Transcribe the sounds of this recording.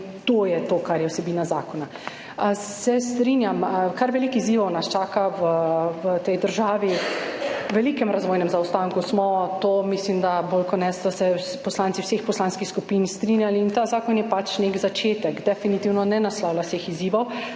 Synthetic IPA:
t̪oːjɛt̪oːkaɾjɛwsɛbiːnazaːkɔna | sɛst̪ɾinjamkaɾʋɛlikiziːʋɔwnast͡ʃaːkaʋəʋət̪ɛjd̪əɾʒaːʋi | ʋɛlikɛmɾazʋoːjnɛmzawst̪aŋkusmɔt̪omislimd̪abolkɔnɛsd̪asɛ | pɔslant̪siwsexpɔslanskixskupinst̪ɾinjaliːnt̪aːzaːkɔnjɛpat͡ʃnekzat͡ʃeːt̪ɛkd̪ɛfinit̪iːwnɔnɛnaslɔwlasexiziːʋɔw

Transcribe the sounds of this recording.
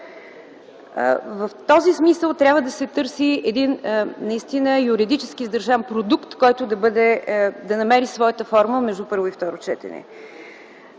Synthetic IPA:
vəft̪ɔzismisəlˠt̪ɾʲavəd̪ɐsɛt̪ɤɾsiɛd̪innɐist̪inəjuɾid̪it͡ʃɛskizd̪ɐɾʒampɾod̪ukt̪kɔjt̪ʊd̪ɐbɤd̪ɛd̪ɐnɐmɛɾisvɔjət̪əfɔɾməmɛʒd̪upɤɾvoift̪ɔɾot͡ʃɛt̪ɛ̰nɛ̰

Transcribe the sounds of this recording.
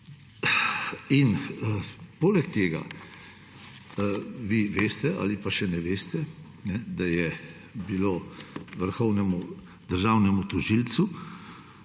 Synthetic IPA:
in | poːlɛkt̪eːɡa̰ | ʋiʋeːst̪ɛʔa̰ːlipaʃɛnɛʋeːst̪ɛ | nɛd̪ajɛ | biloːʋəɾxɔwnɛmu | d̪əɾʒawnɛmut̪ɔʒilt̪su

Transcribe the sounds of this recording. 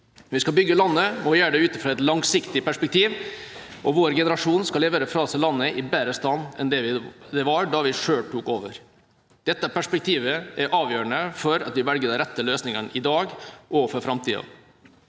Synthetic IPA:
ʋɪskɑbʏɡːəlɑnːəmɔɪjæːəɖ̪ɛʉːt̪əfɾɑːɛt̪lɑŋsɪkt̪ɪpæʂpɛk̚t̪iːʋʔɔʋoːɾɡɛnəɾɑʂuːnskɑleːʋəɾəfɾɑːsəlɑnːəʔɪbæːɾəst̪ɑnːɛ̰nd̪ɛʋɪd̪ɛʋɑɾɖɑʋɪʂøːlʈuːkoːʋəɾ | d̪̥ɛt̪ːəpʰæʂpɛk̚t̪ʰiːʋəæɾʔɑːʋjøːɾəɳəfɔɾɑ̰t̪ʋɪʋɛlɡəd̪əɾɛt̪ːəløːsnɪŋəɳɪd̪ɑːɡʔɔːʋfɔɾfɾɑmt̪ʰiːɑ̰

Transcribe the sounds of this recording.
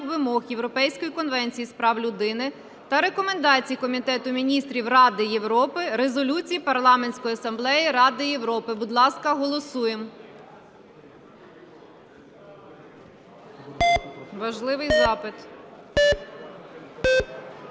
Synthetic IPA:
ʋɪmɔɣjewɾɔpɛjsʲkɔjikɔnʋɛnʲt͡sʲijispɾɑwlʲʊd̪ɪnɪ | t̪ɐɾe̞kɔmend̪ɑt͡sʲijikɔmʲit̪ɛt̪ʊmʲinʲist̪ɾʲiwrɑd̪ɪjewɾɔpɪɾe̞zɔlʲut͡sʲijipɐrlˠɑmenʲsʲkɔjiɐsɐmblˠɛjɪɾɑd̪ɪjewɾɔpɪbʊd̪lˠɑskɐɦɔlˠɔsujem | ʋɐʒlˠɪʋɪjzɑpɪt̪

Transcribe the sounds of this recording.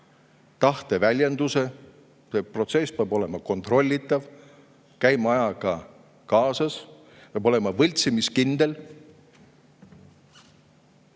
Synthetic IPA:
t̪ɑht̪e̞vælʲjend̪̥use̞ | se̞pro̞t̪se̞speɑbo̞le̞mɑko̞nt̪ˑro̞lʲːit̪ːˑɑv | kæjmɑjɑɡ̥ɑ | kɑːsɑs | peɑbo̞le̞mɑvɤlʲt̪simiskind̪̥e̞l

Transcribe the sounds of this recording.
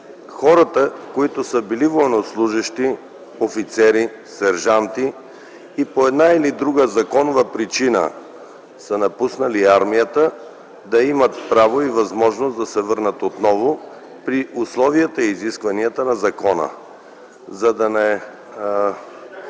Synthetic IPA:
xɔɾɐt̪əkoit̪osəbilivojnoslˠuʒəʃt̪i | ofit̪sɛɾi | sɛɾʒant̪iː | poɛd̪nailid̪ɾuɡəzɐkɔnovəpɾit͡ʃinə̰ | sənɐpusnɐliaɾmijət̪ə | d̪ɐimət̪pɾavoivɐzmɔʒnosd̪ɐsɛvəɾnət̪ot̪nɔvo | pɾiʔʊslˠɔvijət̪əiːziskvɐniət̪ənɐzɐkɔnə̰ | zɐd̪ɐnɛ

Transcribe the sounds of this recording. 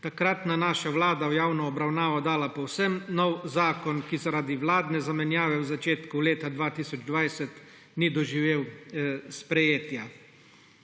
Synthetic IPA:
t̪akɾat̪nanaːʃaʋlaːd̪awjaːwnɔːbɾawnaːʋɔd̪aːlapɔwsɛmnɔwzaːkɔnkizaɾaːd̪iʋlaːd̪nɛzamɛnjaːʋɛwzat͡ʃeːt̪kuleːt̪ad̪ʋaːt̪iːsɔd͡ʒd̪ʋajsɛt̪ | nid̪ɔʒiʋeːwspɾɛjeːt̪ja

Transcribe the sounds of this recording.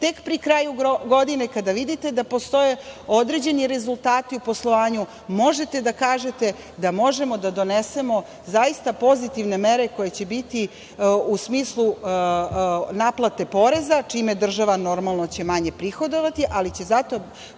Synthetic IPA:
t̪e̞kpɾikɾaːjuɡo̞d̪inekad̪aʋid̪it̪e̞d̪apo̞st̪o̞je̞o̞d̪ɾe̞d͡ʑe̞niɾe̞zulˠt̪aːt̪iuposlˠo̞ʋaːɲu | mo̞ʒe̞t̪e̞d̪akaːʒe̞t̪e̞ | d̪amo̞ʒe̞mo̞d̪ad̪o̞nese̞mo̞ | zajist̪apo̞zit̪iʋne̞me̞ɾe̞ko̞je̞t͡ɕebit̪i | usmiːslˠu | naːplˠat̪e̞po̞ɾe̞zat͡ʂiːmed̪r̩ʒaʋano̞ɾmalˠno̞t͡ɕe̞maɲe̞pɾixo̞d̪oʋat̪iʔalit͡ɕe̞zat̪o̞

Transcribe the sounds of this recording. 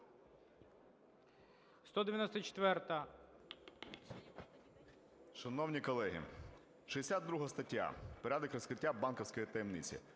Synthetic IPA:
st̪ɔd̪eɪʋʲjɐnɔsʲt̪ɐt͡ʃe̥t̪ʋɛrt̪ɐ | ʃɐnɔwnʲikɔlˠɛɦḭ | ʃiesʲad̪̚d̪ɾuɦɐst̪ɐtʲːa̰pɐɾʲad̪ɪkɾɔskɾɪtʲːabɑnkɔwsʲkɔjit̪ɐjemnit͡sʲḭ

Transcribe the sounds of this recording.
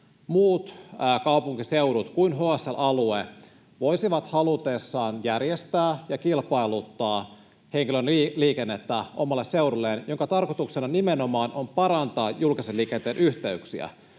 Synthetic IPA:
muːt̪ːkɑupuŋkiseuɾut̪kuinɦoæsːelʔɑlue | ʋo̞isiʋɑt̪hɑlut̪eːsːɑːnjærjest̪æːjɑkilpɑjlut̪ːɑː | he̞ŋkilønliːkenːet̪ːæʔo̞mɑlːeseuɾulːeːnjo̞ŋkɑt̪ɑrkot̪uksenɑnimeno̞mɑːnʔo̞mpɑɾɑnt̪ɑːjulkiselːiːkent̪eːnʔyht̪e̞yksiæ̰

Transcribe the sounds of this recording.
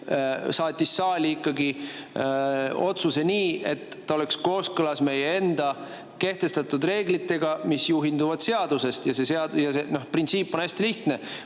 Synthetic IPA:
sɑːt̪ʲːˑisːɑːlʲiikːɑɡi | o̞t̪suse̞niːe̞t̪ːɑole̞ksko̞ːskɤlɑsme̞jee̞nd̪̥ɑ | ke̞ht̪e̞st̪ɑt̪ːˑud̪re̞ːɡ̥lit̪ːe̞ɡɑmisjuɦind̪uvɑd̪̥se̞ɑd̪̥use̞st̪jɑse̞se̞ɑd̪jɑseno̞hprint̪siːpːˑonæsʲt̪iliht̪ne̞

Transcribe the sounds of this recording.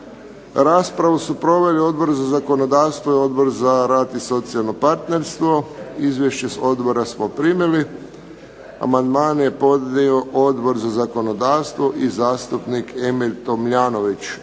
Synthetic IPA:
ɾaːspɾaʋusupɾo̞ʋe̞lio̞d̪bo̞ɾzazako̞nod̪aːʋst̪ʋoio̞d̪bo̞ɾzaɾaːt̪iso̞t̪sialˠno̞paɾt̪ne̞ɾst̪ʋo̞izʋjeʃt͡ɕeso̞d̪bo̞ɾasmopɾimili | a̰mand̪maːnjepo̞d̪nioʔod̪bo̞ɾzazako̞no̞d̪aːʋst̪ʋoʔizaːst̪upnikʰemilʲt̪omʎaːnoʋit͡ɕ

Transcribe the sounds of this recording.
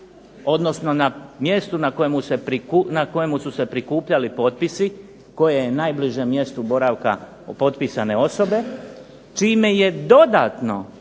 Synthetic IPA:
o̞d̪no̞sno̞namje̞st̪unako̞jemuse̞pɾikunako̞je̞mususe̞pɾikuːpʎalipo̞t̪̚pisi | ko̞jejenaːjbliʒemːje̞st̪ubo̞ɾaʋka̰ | opo̞t̪pisane̞o̞so̞be̞ | t͡ʃiːme̞je̞d̪o̞d̪at̪no̞

